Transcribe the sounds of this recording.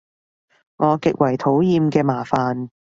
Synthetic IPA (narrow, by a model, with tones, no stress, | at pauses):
ŋʔɔː˨˧kɪ˨k̚wɐ˨˩jt̪ʰo˨˥wjiː˧mkɛː˧maː˨˩faː˨n